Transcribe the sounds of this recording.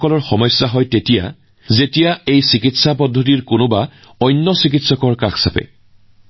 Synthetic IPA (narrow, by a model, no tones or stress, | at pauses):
kɔlɔɹxɔmɔjsːaɦɔjtetija̰ | zetijaejsikitsapɔdʱːɔt̬iɹkʊnʊba | ɔjnːɔsik̬itsɔkɔɹkaxsapɛ̰